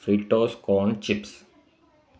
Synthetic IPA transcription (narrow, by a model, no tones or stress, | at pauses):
fɾiːʈoːskɔ̃ːɳt͡ʃɪps